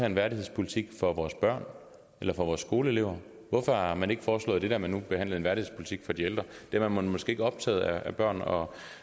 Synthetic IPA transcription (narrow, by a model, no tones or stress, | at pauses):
ɛe̝nʋæɐɾihe̝spʰo̝lit͡sʰiɡ̥fɒ̽ʋɒːsb̥ɶɐ̰n | elɐfɒ̽ʋɒːsːɡ̥o̝ːləe̝le̝ʊ̰ɐ | ʋɔfɒmæne̝ɡ̥əfɒːslɔ̰ð̩̥ˠe̝d̥æɐmænːub̥e̝hæn̰lð̩ˠenʋæɐɾihḛspʰo̝li̥t͡sʰiɡ̥fɒ̽d̥ield̥ʁɐd̥e̝æɐmænmmɒ̽sɡ̥e̝̰e̝ɡ̥ɒ̽b̥̚t͡sʰɛ̰ːð̩ˠææb̥ɶɐ̰nɒ̽